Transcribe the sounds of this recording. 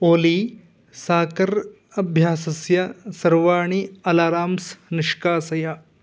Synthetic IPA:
oːli | saːkɐɾ | ɐbʱjaːsɐsjɐsɐɾʋaːɳiɐlaːɾaːmsnɪʃkaːsɐja

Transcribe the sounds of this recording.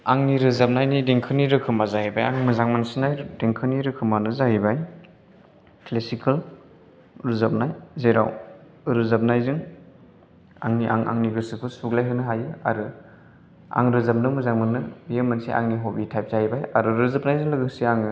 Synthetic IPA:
aŋniɾɯzap̚najnideŋkʰɯniɾɯkʰɯmazahibajaŋmɯzaŋmansinajdeŋkʰɯniɾɯkʰɯmanɯzaɦibaj | klesikal | ɾɯzap̚najzejɾa̰w | ɾɯzap̚najzɯŋ | a̰ŋniʔa̰ŋa̰ŋniɡɯsɯkʰɯsuklajɦɯnɯɦajɯa̰ɾɯ | a̰ŋɾɯzap̚nɯmɯzaŋmanːɯbijemansḭʔa̰ŋniɦobitʰajp̚z̥ahibajaɾɯɾɯzap̚najzɯŋlɯɡɯsiaŋ

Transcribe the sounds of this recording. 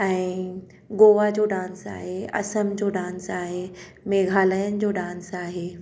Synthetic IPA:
ɛ̃ː | ɡoːʋad͡ʑoːɖãːnsa̰ːɦeɐ̰səmd͡ʑoːɖãːnsaːɦe | meːɡʱaːləjənɪ̆d͡ʑoːɖãːnsaːɦeː

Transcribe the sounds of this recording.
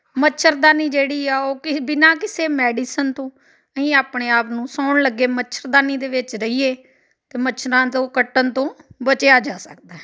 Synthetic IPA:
mətːʃʰəɾd̪aːniːd͡ʒeːɽiːɛːoːkɪbɪnãːkɪseːmɛːɖiːsənt̪õː | əɦĩːaːpɳeːaːpnũːsaːʊɳləɡːeːmətːt͡ʃʰʃʰəɾd̪aːniːd̪eːʋɪt͡ʃɾəiːeː | t̪eːmət͡ʃʰəɾãːt̪õːkəʈːənt̪õːbət͡ʃejaːd͡ʒaːsək̚d̪aːɛ

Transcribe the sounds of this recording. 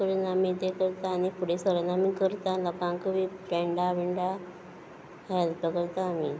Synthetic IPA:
kəɾunamit̪ekəɾt̪aːnipuɽesəɾənamikəɾt̪alɔkãŋkəʋipɛɳɖaʋiɳɖa | ɦɛlp̪əkəɾt̪aːmi

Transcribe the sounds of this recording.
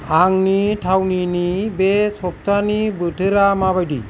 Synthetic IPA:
aŋniʈʰawninibesɔp̚t̪ʰanibəʈʰɯɾamabajdḭ

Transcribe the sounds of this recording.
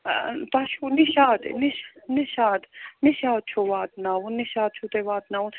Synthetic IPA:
p̪aʃuniʃaːd̪̰niʃnɪʃaːd̪nɪʃaːd̪̚t͡ʃʰoʋaːt̪̚naːunːiʃaːd̪̚t͡ʃʰut̪eʋaːt̪naun

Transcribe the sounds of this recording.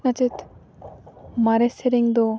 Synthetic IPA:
nat͡ʃet̪ | maɾeseɾiŋd̪o

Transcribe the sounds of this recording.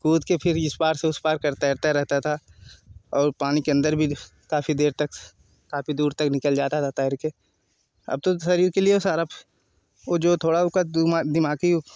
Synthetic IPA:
kuːd̪kepʰɪɾɪspaːɾseʊspaːɾkɐɾt̪aɾt̪aɾɛɦt̪at̪ʰa | ɔːɾpaːnikeɐ̃nd̪əɾbʱi | kaːfid̪eːɾt̪ɐk | kaːpid̪uːɾt̪ɐknɪkəld͡ʒaːt̪at̪ʰat̪aːɪɾke | ɐ̰b̚t̪osɐɾiːɾkeliesaːɾap | od͡ʒoːt̪ʰoːɽaʊkamd̪ɪmaːɡi

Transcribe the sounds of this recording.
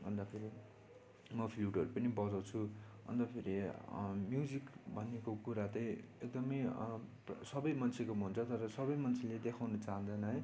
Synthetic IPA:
bʱʌnd̪apʰeɾi | mʌpʰiluʈʌɾupʌnibʌd͡zawt͡sʰuʌ̰nd̪ʌpʰeɾimjud͡zikbʱʌnekokuɾat̪ʌjek̚d̪ʌmʌj | sʌbʌjmʌnt͡sʰekomɦunt͡sʰʌt̪ʌɾʌsʌbʌjmʌnt͡sʰeled̪ekʰawnʌt͡saɦʌ̃nd̪ʌnʌɦʌj

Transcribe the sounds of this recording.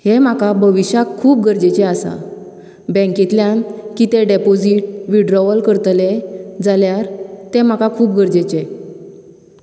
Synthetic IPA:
hem̤akabʱəʋiɕjakʰːuːp̚ɡʱəɾd͡ʑet͡ɕeasa̰ | bɛ̃ŋkit̪ljankit̪eɖepod͡ziʈ̚ʋiɖɾɔʋəlkəɾt̪led͡zaljaɾt̪em̤akakʰuːp̚ɡʱəɾd͡ʑet͡ɕe

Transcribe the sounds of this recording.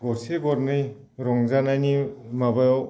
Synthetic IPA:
ɡɔɾseɡɔɾnɯj | ɾɔŋzanajnimabajɔ

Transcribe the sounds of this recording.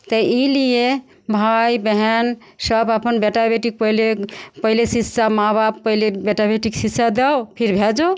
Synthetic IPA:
t̪əilije | bʱajbəɦɛn | səbapənbeʈabeʈik̚pəɦlepəɦilesitːsamababpəilebeʈabeʈiksitːsad̪ɛwpʰiɾbʱed͡ʒo

